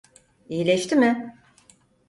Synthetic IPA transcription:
ijilʲeʃt̪imɪ

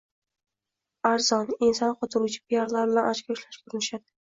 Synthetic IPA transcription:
aɾz̥ɒnɪnsɒnqʰɒt̪ʰʊɾuwt͡ʃʰɪ̥pʰijaɾlaɾbɪlanat͡ʃkʲʰaʊʃlaʃbʊɾɪnɪʃad̪ɪ

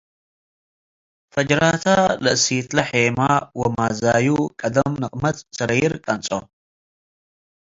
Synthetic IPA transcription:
fɐd͡ʒɾat̪ʰalɨʔsit̪lɐħemawɐmazajukʼɐd̪ɐmnɨχʼmɐt̪sɐɾɐjɪɾkʼɐnt͡sʼo̰

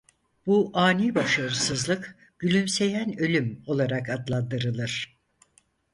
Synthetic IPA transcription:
b̥uʔaːnibaʃaɾɯsɯzlˠɯk | ɟ̥ylʲymse̞jænø̞lʲymo̞lˠaɾakad̪lˠand̪ɯɾɯlˠɯɾ̥

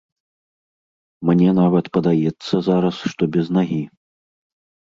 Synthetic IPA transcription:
mnʲɛnavɐt̪pɐd̪ajɛt̪sːɐzaɾɐsʂt̪ɔbʲɛznaɣʲi

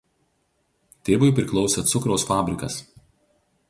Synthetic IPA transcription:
t̪ʲeːʋʊɪpʲɾʲɪklˠɒʊsʲeːt̪sʊkɾoʊsfɑːbʲɾʲɪkɐs

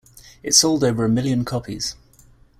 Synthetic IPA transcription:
ɪtsɔʊlˠdəʊvəɹəmɪljə̃nkʰɒpʰḭz̥

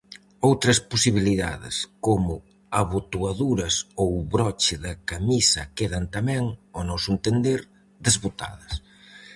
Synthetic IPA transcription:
owt̪ɾɐsposiβiliða̰ðɪ̰skomʊ | aβot̪uaðuɾɐsowβɾɔt͡ʃɪðɐkamisɐkeðɐnt̪amɛ̃ŋɔnɔsʊent̪end̪eɾ | d̪ezβot̪a̰ðɐs

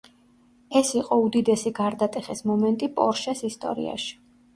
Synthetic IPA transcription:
ɛsiqʼɔud̪id̪ɛsiɡaɾd̪at̪ʼɛχḭsmɔmɛnt̪ʼipʼɔ̰ɾʃɛsist̪ʼɔ̰ɾḭa̰ʃi̥

